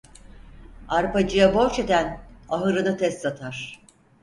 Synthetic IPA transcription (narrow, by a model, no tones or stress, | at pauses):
aɾpad͡ʒɯjaboɾt͡ʃe̞d̪ænaɦɯɾɯnɯt̪ʰɛst̪sat̪ʰaɾ̥